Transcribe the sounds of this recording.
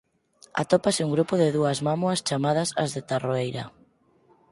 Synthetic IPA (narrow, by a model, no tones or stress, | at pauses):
a̰t̪ɔpasɪuŋɡɾupʊðɪðuɐzmamwɐst͡ʃamað̞ɐsa̰zðɪt̪aroejɾa̰